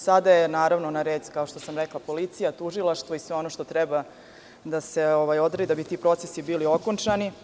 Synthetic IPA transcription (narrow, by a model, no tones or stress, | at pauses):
sad̪ajenaːɾaʋnonaɾeːd̪kao̞ʃt̪o̞samɾeklˠapo̞lit̪sijat̪uʒilˠaʃt̪ʋoisʋɛo̞no̞ʃt̪o̞t̪ɾɛba | d̪ase̞oʋajo̞d̪ɾad̪id̪abit̪iːpɾo̞t̪sesibiːlio̞kont͡ʂani